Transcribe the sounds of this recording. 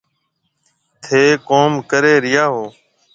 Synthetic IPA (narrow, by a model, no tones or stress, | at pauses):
t̪ʰeːkoːmkəɾeːɾɪjaːɦoː